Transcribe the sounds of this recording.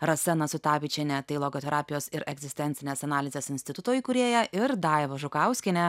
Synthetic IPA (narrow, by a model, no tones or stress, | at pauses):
ɾɐsʲɛnɐsʊt̪ɑːʋʲɪt͡ʃʲɪnʲɛt̪ɐɪlˠoːɡoːt̪ʲɛɾʔɑːpʲɪjoːsɪɾʔɛɡzʲɪsʲt̪ʲɛnʲɪnʲeːsɐnɑːlʲɪzʲeːsɪnʲsʲt̪ʲɪt̪ʊt̪oːjʊkʊɾʲeːjɛʔɪɾd̪ɑːɪʋɐʒʊkɐˑʊsʲkʲɪnʲɛ